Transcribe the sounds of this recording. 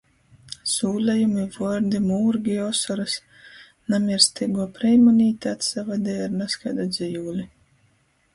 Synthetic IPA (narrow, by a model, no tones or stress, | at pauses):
suːlʲajumivɔɾd̪imuːɾɡʲiɔsɔɾas | namʲiɾst̪iɡuɔpɾɛjmɔnʲiːt̪ʲat̪savad̪ʲɛːjaɾnaskajd̪ɔd̪zʲijuːlʲi